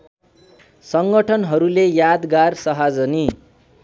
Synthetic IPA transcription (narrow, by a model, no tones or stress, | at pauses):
sʌŋɡʌʈʰʌnɦʌɾulejad̪ɡarsʌɦad͡zʌni